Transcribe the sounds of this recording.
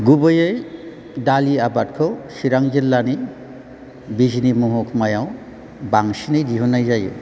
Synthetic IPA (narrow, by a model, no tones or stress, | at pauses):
ɡubəjej | daliabat̚kʰɔsiɾaŋd͡ʒilːani | bid͡ʒnimuɦukʰmajaw | baŋsinijdiɦunajd͡ʒajṵ